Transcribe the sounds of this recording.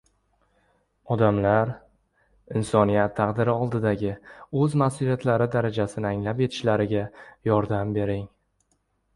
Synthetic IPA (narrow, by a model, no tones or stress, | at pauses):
ɒd̪amlaɾ | ɪnsɒnijat̪ʰːɑqd̪ɪɾɪɒlˠd̪ɪd̪aɡʲɪɵzmasulijat̪ʰlaɾɪd̪aɾad͡ʒasɪnɪaŋlapjet̪ʰɪ̥ʃlaɾɪɡʲajɒɾd̪ambe̞ɾɪŋ